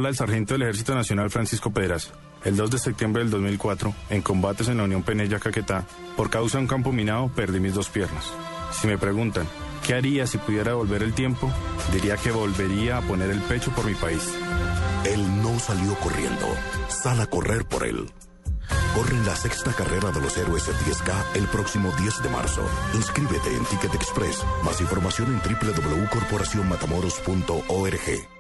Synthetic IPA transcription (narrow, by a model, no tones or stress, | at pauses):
alaðe̞lsaɾxe̞nt̪oðelexeɾs̬it̪onasjo̞nalfɾansisko̞pe̞ðɾas | e̞ld̪o̞zd̪e̞sep̚t̪jembɾeðeld̪o̞zmilkwat̪ɾo̞e̞ŋko̞mbat̪e̞s̬e̞nlaunjo̞mpe̞neʝakake̞t̪a | po̞ɾkawsaðuŋkampo̞mĩnaðope̞ɾd̪imizd̪o̞spje̞ɾnasː | ime̞pɾe̞ɣunt̪aŋke̞aɾiasipuðje̞ɾaðeβolbe̞ɾe̞lt̪je̞mpo̞d̪iɾiake̞βo̞lbe̞ɾiaːpo̞ne̞ɾe̞lpe̞t͡ʃo̞po̞ɾmipais | e̞lno̞saljo̞ko̞rje̞̰nd̪o̞̰salako̞rʔe̞ɾpo̞̰ɾḛl | ko̞renlase̞kst̪akare̞ɾaðe̞lo̞seɾweset̪ieskae̞lpɾo̞ksimo̞ðje̞zd̪e̞mʔa̰ɾso̰inskɾiβe̞t̪e̞̰ːnt̪ike̞t̪ekspɾḛsmasiɱfo̞ɾmasjo̞ne̞nt̪ɾiple̞ðo̞βle̞uko̞ɾpo̞ɾasjo̞nmat̪amoɾospunt̪o̞ʔoeɾexe̞̰